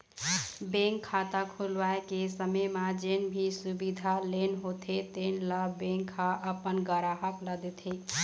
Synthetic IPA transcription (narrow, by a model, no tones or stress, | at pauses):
bẽŋkʰːat̪akʰulʋaekesəməmad͡ʒenbʱisubid̪ʱalenɦot̪ʰet̪enlabeŋkʰːaʔəpənɡəɾaɦəkləd̪et̪ʰe